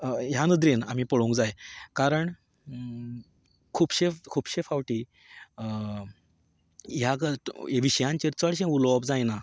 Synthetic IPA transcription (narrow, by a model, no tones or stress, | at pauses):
janəd̪ɾena̰miːpəɽũŋkd͡zajkaɾəɳ | kʰuːpɕefkʰuːpɕefaʋʈi | jaɡəeʋiɕjãɲt͡ɕiɾt͡səɽɕẽulɔbd͡zajna